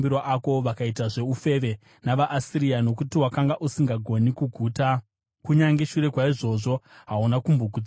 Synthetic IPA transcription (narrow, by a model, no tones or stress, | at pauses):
biɾoʔako̞ʋakaitaʐe̞ufe̞ʋe̞ | naʋaʔːsiɾijano̞kutiwakaŋɡaʔusiŋɡaɡʱo̞nikuɡʱuːta | kuɲaŋɡe̞ʃuɾe̞kwaiʐo̞ʐo̞ɦaunakumboɡʱud͡z